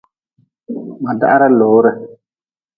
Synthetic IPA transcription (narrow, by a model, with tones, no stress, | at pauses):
ma˨da̰˦ʔa˦ɾa˦loː˨˦ɾə˦˨